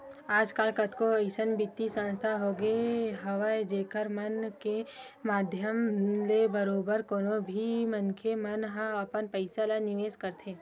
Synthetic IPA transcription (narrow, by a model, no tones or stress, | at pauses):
aːd͡ʒkaːlkət̪koɐɪsənbɪt̪ːisə̃nst̪ʰaɦoːɡəeɦɐʋəjd͡ʒeːkəɾmɐnke | maːd̪ʱjəmlebəɾoːbəɾkoːnobʱimənkʰemɐnɦãɐpənpəɪsalanɪʋeːskəɾt̪ʰẽː